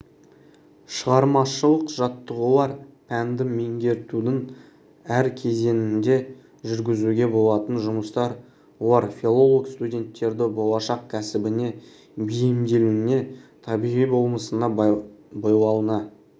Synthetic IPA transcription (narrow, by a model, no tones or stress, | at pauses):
ʃəʁɑɾmɑʃəlˠəqʒ̥ɑt̪ːəʁəlˠɑɾpʰænd̪ɪme̞ŋɡʲe̞ɾt̪ud̪ɪŋ | æɾkʲʰe̞ze̞nɪnd̪e̞ | ʒʏɾɡʲɪzuɡʲe̞bo̞lˠɑt̪ənʒʊməst̪ɑɾ | wolˠɑɾfʲilˠo̞lˠokst̪udʲe̞nt̪ːe̞ɾd̪ɪbo̞lˠɑʃɑqkʲʰæsɪbɪne̞ | bijɪmd̪e̞luɪne̞t̪ʰɑbiʁijbo̞lˠməsənɑbojwɑlˠənɑ